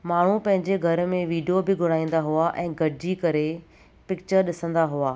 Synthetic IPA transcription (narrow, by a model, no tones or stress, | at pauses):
maːɳ̤ũpɐ̃ɦɪ̃ɲd͡ʑeɡʱɐɾmẽʋiːɖijobɪɡʱʊɽ̤aːĩːn̆d̪aɦuaʔɛ̃ːɡɐɽɪd͡ʑikɐɾe | pɪkt͡ɕəɾɗɪsə̃nd̪aɦuaː